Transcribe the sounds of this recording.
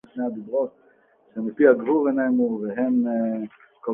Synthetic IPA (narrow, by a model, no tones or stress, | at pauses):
ʃnead̪ibʁot̪̚ | ʃemipiaɡvubenejnuveɦem | ko